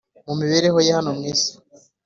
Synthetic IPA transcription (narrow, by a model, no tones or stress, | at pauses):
mumiβeɾeɦo̞jehanomŋiːsḁ